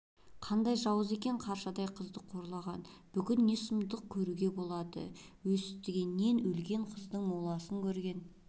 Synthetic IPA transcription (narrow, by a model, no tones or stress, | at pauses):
qʰɑnd̪ɑjʒɑwəze̞kʲe̞ɴqʰɑɾʃɑd̪ɑjqʰəzd̪əqʰo̞ɾlˠɑʁɑnb̥ʏkʲɪnːe̞sʊmd̪əq̚kʲʰɵɾuɡʲe̞bo̞lˠɑd̪ə̰wɵsɪp̚t̪ɪɡʲe̞nːe̞nɵlɡʲe̞ɴqʰəzd̪əɴmolˠɑsəŋkʲʰɵɾɡʲe̞n